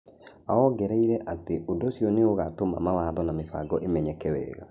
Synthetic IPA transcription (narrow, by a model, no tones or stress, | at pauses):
aɔɡɛɾɛiɾɛʔateʔodɔsjoneoɣatoma̰mawaðɔnamefa̰ɡɔʔemɛɲɛkɛwɛ̰ːɣa̰